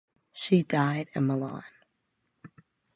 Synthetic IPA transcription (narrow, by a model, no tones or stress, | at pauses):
ʃidaɪɾɨ̃nməlɑ̰n